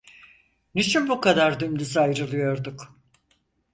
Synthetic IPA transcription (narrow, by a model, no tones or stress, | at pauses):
nit͡ʃʰynbukad̪aɾd̪ymd̪yzajɾɯlˠɯjo̞ɾd̪uk